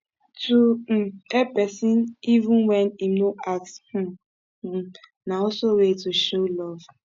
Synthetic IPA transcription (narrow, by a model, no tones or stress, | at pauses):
tuepɛsĩnivũnwɛnimnoʔakshũ | naɔsowetuʃolɔv